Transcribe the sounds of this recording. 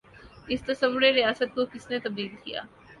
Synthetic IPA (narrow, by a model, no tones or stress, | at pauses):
ɪst̪ɐsɐʋːʊɾeɾijaːsət̪̚kokɪsnet̪ɐb̚d̪iːlkija̰ː